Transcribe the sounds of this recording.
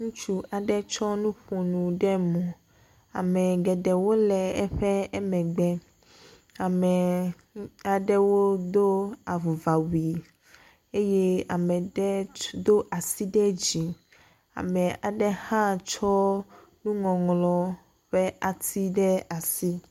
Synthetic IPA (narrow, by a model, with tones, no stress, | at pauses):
ŋũ˦t͡ʃu˦ʔa˨ɖɛ˦t͡ʃɔ˦nũ˦ɸo˨nũ˨ɖɛ˦mɔ̃˨ | a̰˨mɛ̃˨ɡɛ˨ɖɛ˨wo˦lɛ˨ɛ˦ɸɛ˦ɛ˦mɛ̃˨ɡ͡bɛ˦ | a˨mɛ˨ | a˨ɖɛ˦wo˦d̪o˦a˨vu˨va˨wi˨ | e˦je˦a˨mɛ̃˨ɖɛ˦d̪o˦ʔa˨si˦ɖɛ˦d͡ʑi˨ | a̰˨mɛ̃˨a˨ɖɛ˦hã˦t͡ʃɔ˦ | nũ˦ŋɔ̃˨ŋlɔ˨ | ɸɛ˦ʔa˨t̪ʰi˦ɖɛ˦a˨si˦